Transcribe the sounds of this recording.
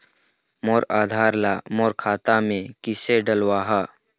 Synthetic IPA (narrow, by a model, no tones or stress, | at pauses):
moːɾaːd̪ʱaːɾlaːmoːɾkʰaːt̪amẽkɪseɖəlwaːɦaː